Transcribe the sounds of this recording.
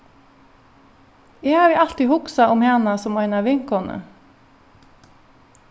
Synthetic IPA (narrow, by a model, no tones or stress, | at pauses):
eːhɑːɾʋiːɑlt̪ɪhʊksɑʔʊmheːnɑsɔmœʏnɑʋɪŋkɔnə̰